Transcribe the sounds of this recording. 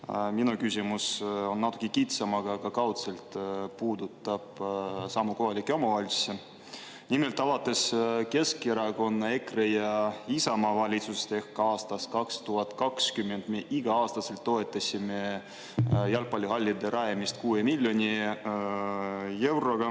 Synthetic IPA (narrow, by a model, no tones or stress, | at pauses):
minukysʲimuso̞nːɑt̪ːˑu̥kːˑikit̪sɑmɑɡ̥ɑɡ̥ɑkɑwt̪selt̪puːd̪ut̪ːˑɑb̥sɑmːuko̞ɦɑlʲikːˑeo̞mɑvɑl̥ʲse | nʲimelt̪ːˑɑvɑt̪ːˑe̞ske̞skːiɾɑko̞nːɑe̞krejɑisɑmɑvɑlʲit̪sust̪e̞hkɑɑːst̪ɑskɑkst̪uɦɑt̪kɑkskymːe̞nd̪̥meʔiɡ̥ɑɑːst̪ɑse̞lt̪ːo̞e̞t̪ːˑɑsʲime̞ | jɑlpɑlʲːiɦɑlʲːid̪eɾʔɑjemist̪kuːemilʲːjo̞nʲi | e̞wɾo̞ɡ̥ɑ